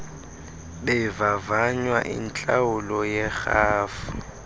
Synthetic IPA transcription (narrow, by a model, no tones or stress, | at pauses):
bɛvavaɲwaʔḭnt͡ɬʼaʊlɔjɛxaːfʊ